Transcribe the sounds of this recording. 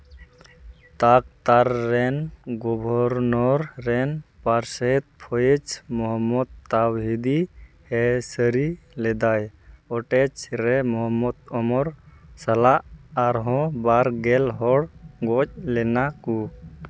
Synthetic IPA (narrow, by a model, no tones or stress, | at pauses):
t̪ak̚t̪aɾːɛnɡɔbʱɔɾnɔɾːɛnpaɾsət̪̚pʰɔjɛt͡ʃmɔɦɔmːɔd̪̚t̪ːawɦid̪i | hɛsəɾi | lɛd̪ajɔʈɛt͡ʃɾɛmɔɦɔmːɔd̪ɔmɔɾsalaʔːɾɦɔ̃baɾɡɛlɦɔɽɡɔc̚lɛnaku